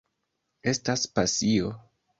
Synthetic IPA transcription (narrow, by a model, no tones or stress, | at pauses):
e̞staspasio